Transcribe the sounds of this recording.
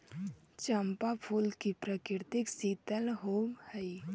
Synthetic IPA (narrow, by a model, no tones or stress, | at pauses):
t͡ʃəmpapʰuːlkipɾəkɪɾt̪ɪksiːt̪əlɦoːhəi